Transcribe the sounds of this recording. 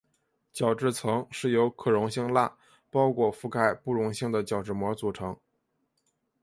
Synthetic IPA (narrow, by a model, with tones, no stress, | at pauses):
t͡ɕjɑ˨˩ʊʈ͡ʂɻ̩˥˩t͡sʰɤ˧˥ŋʂɻ̩˥˩jo˧˥ʊkʰɤ˨˩ɻʊ˧˥ŋɕi˥˧ŋla˥˩ | pɑ˥ʊkʰwɔ˥˩fu˥˧ka˥˩ɪpu˥˩ɻʊ˧˥ŋɕi˥˩ŋd̪ə˩t͡ɕjɑ˨˩ʊʈ͡ʂɻ̩˥˩mwɔ˧˥t͡su˨˩ʈ͡ʂʰɤ˧˥ŋ